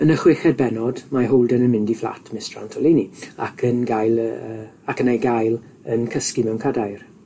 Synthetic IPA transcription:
ənəχwɪxɛd̚bɛnɔdmaɦowlˠdɛnənmɪndiflˠa̰tʰmɪstra̰ntʰɔlinia̰kʰənɡajlˠə | akənejɡajlˠ | ənkʰəskimɛwnkʰadajr

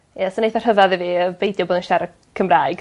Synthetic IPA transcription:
jɛsɔnejθar̥həvaðiviəbejdjɔboːðənʃaɾə | kʰəmraːɨɡ̥

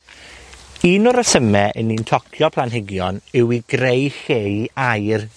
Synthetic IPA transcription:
iːnʊɾəsəmɛʔəniːntʰɔkʰjɔpʰlˠanɦɪɡjɔnɪwiɡ̥rejxeːjajr

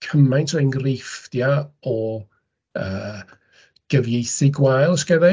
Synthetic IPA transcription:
kʰəmajntʰojnɡrejfdjaɔ | əː | ɡ̥əvjejθɪɡwajlˠskɛðɛ

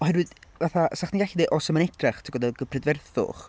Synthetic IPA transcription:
ɔhɛrwɨðvaθasaχniɡaɬidɛʔɔsəmanɛtʰraχtʰəɡɔdɛðɡəpʰrɛdvɛrθʊ̰χ

